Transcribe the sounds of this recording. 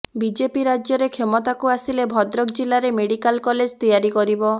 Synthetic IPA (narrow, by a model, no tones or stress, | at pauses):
bid͡ʒepiɾad͡ʒjɔɾekʰemɔt̪akuasilebʱɔd̪ɾɔkd͡ʒilaɾemeɽikalkɔled͡ʒt̪ijaɾikɔɾibɔ